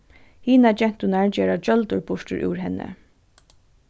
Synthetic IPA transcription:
hiːnad͡ʒɛn̥t̪ʊnaɹd͡ʒeːɹad͡ʒœlt̪ʊɹbʊʂʈɪ̰ɹʔʉ̰ːɹɦɛnːə̰

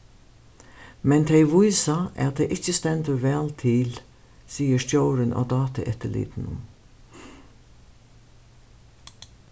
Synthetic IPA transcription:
mɛnt̪ʰɛɪʋʊjsɑʔɛt̪̚d̪ɛʔɪçəst̪ɛnt̪əʋɛːlt̪ʰɪl | siːəst̪joʊɾənʔo̰ːd̪ɑːt̪ə̰ʔɛt̪əɭḭːd̪n̩ə̰n

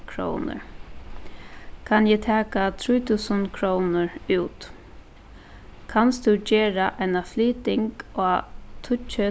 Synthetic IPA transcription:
kʰɾo̰wnə̰ɹ | kʰanjɛt̪ʰaːkat̪ʰɾuːjt̪ʰʉːsənkʰɹownəɹʉːt̪ | kʰanst̪ʉd͡ʒeːɾaʔajnafliːt̪ɪŋkoːt̪ʰʊt͡ʃə

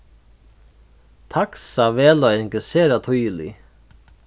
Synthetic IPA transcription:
t̪ʰaksavɛːlaɪŋkɛseːɾat̪ʰʊjlḭ

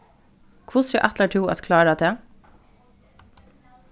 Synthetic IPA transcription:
kʰʊsə̰ʔæt̪ləʈʰuːɑ̰t̪kʰlɑːɖæt̪ʰeː

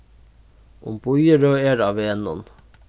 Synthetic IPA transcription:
ʔʊ̰mb̥ʊjəɾøːeːɾɑːʋeːɛnɔn

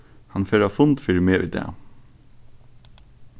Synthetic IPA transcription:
hɑnfeːɾɑːfʊnd̪fiːɾmeːʔḭːd̪ḛː

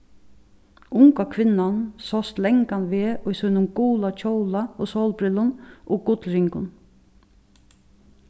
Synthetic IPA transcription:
ʊŋkakʰʋɪnansɔst̪lɛŋkanʋeːʊjsʊnʊmɡuːlat͡ʃʰowlaoːsoːlpɾɪlʊnʔoːɡʊt̪lɾɪŋkʊn

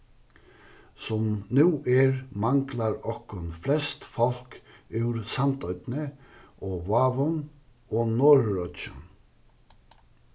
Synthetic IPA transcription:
sɔmnʉːʔɛːɹmɑŋklaɾɔkɔnflɛst̪fɔl̥k | ʉʉɾsɑnt̪œʏd̪nəʔoːʋɑːʋɔn | oːnoːɾɾœt͡ʃə̰n

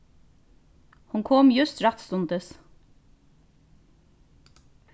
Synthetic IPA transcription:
hʊŋkʰɔmjʉst̪ɾɑt̪st̪ʊnt̪əs

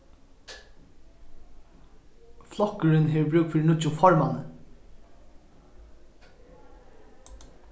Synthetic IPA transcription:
flɔkːəɹɪnɦeʋbɹʉːk̚t̪fɪɾnʊt͡ʃʊfɔɹmanə

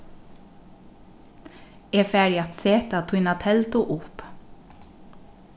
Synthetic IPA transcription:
eːfæːɖɪɑt̪seːt̪ɑt̪ʰʊɪnɑt̪ʰɛlt̪ʊʔʊp

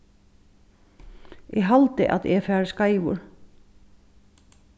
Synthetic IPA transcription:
ɛɦalt̪ɪ̰ʔa̰ðɛfɛːɾskaːjʋʊ̰ɾ

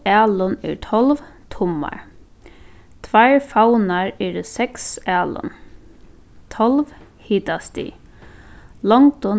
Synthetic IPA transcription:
aːlʊnɛ̰ɹt̪ʰɔlʋt̪ʰʊma̰ɹ | t̪ʰʋajɹfawnaɹɛːɾəsɛksæːlʊ̰n | t̪ʰɔlʋhiːt̪ast̪ḭ | lɔŋt̪ɔ

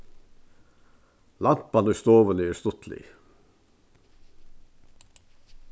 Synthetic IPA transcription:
lɑmpɑnəst̪oːʋəniest̪ʊt̪ʰlḭː

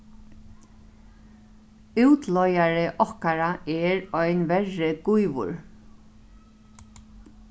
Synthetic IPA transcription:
ʉwt̪lɔjaɹɪʔɔhkaɹaɛɹɔjnʋɛɹːɪɡujʋʊ̰ɹ

